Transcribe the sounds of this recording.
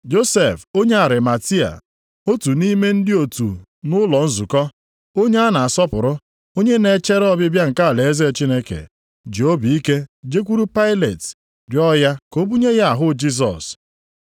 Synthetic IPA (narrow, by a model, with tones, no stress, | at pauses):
d͡ʒo˦se˨fo˦ɲe˦a˨ɾɪ˨ma˨ti˦a̰˨ | o˦tu˨ni˦me˦n̩˦dɪ˦o˨tṵ˨ | nʊ˦lɔ˨n̩˦zu˨kɔ˦ | o˦ɲe˦a˦na˨a˨sɔ˦pʊ˨ɾʊ˦ | o˦ɲe˦ne˨˦t͡ʃe˦ɾɔ˦bɪ˦bja˦ŋ̩˨ka˦a˨le˨e˦ze˦˨t͡ʃi˦ne˦kḛ˨ | d͡ʒi˨o˦bi˨i˦ke˦d͡ʒe˦kʷu˦ɾu˦pa˦ɪ˦lḛ˨t | dɪ˨˦ɔ˦ja˦ko˦bu˦ɲe˦ɣa˦a˨ɦʊ˦d͡ʒi˦z̬ɔ̰˨s